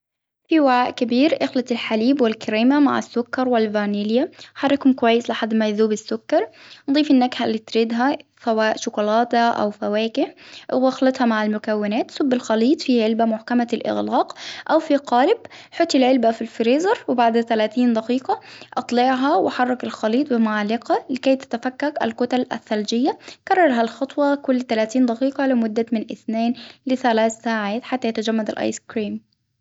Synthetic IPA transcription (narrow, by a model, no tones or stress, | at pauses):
fiwaʕaːʔkɪbiːɾʔɪxlɑt̪ɪlħaliːbwɪlkɪɾiːmama̰ʕa̰sːʊkːɑɾˤwɪlvaːniːlɪjaħɑrˤːɪkhʊmkʊwajːɪslɪħad̪ːmajðuːbɪsːʊkːɑɾˤnd̪ˤiːfɪnːakhalːiːt̪ɾiːd̪ɦasawaːʔʃʊkʊlɑːt̪aʔa̰wfawæːkɪɑxlɑt̪hɑmaʕalmʊkawːɪnæːt̪sʊbːɪlxɑliːt̪ˤfiʕɪlbamʊħkamalʔɪ̰ɣlaːqʔawfiqɑːlɪb | ħʊt̪ˤːɪlʕɪlbafilfɾiːzɑɾˤwɪbaʕd̪t̪alaːt̪iːnd̪ɑqiːqɑʔɑt̪ˤlɪʕɦɑwʔaħɑrˤːɑkɪlxɑliːt̪ˤbɪmʊʕalːɪqɑlɪkaːjt̪ḁt̪afakːaka̰lkʊt̪ala̰θːald͡ʒɪjːakɑrˤːɑɾˤɦalxɑt̪ˤwɑkʊlːt̪alaːt̪iːnd̪ɑqiːqɑlɪmʊd̪ːamɪnʔɪ̰θneːnlɪθalaːθsaːʕaːt̪ħat̪ːajat̪ad͡ʒamːad̪ɪ̰lʔɑ̰jskɾiːm